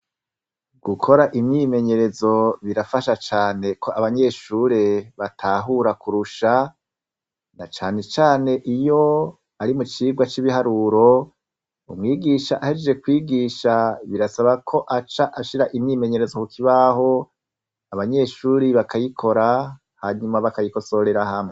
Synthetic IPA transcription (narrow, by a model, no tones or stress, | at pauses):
ɡ̥ukʰo̞ɾaʔimɲiːme̞ɲe̞ɾe̞zo̞βiɾafaʃat͡ʃaːne̞kʰo̞ʔaβaɲe̞ːʃuːɾe̞βatʰaːɦuɾakuɾuʃa | nat͡ʃaːne̞t͡ʃaːne̞ʔijo̞ | aɾimut͡ʃiːɡwat͡ʃiβihaɾuːɾo̞ | ṵmŋiːɡiʃaʔahed͡ʒd͡ʒe̞kwiːɡiːʃaβiɾasaβakʰo̞ʔat͡ʃaʔaʃiɾaʔiniːme̞ɲe̞ɾe̞zokukiβaho̞ | aβaɲe̞ːʃuːɾiβakʰajikʰo̞ɾa | haɲumaβakajiko̞so̞ɾe̞ɾahamŋe